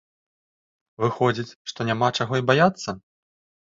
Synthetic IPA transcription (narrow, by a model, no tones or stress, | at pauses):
vɨxɔd͡zʲit͡sʲʂt̪ɔnʲamat͡ʂaɣɔibajat̪sːɐ